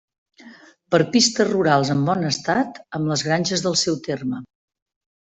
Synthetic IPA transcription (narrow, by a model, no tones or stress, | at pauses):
pəɾpist̪ərruɾalˠzəmbɔnəst̪at̪əmləzɣɾanʲʒəzðəlˠsɛwt̪ermə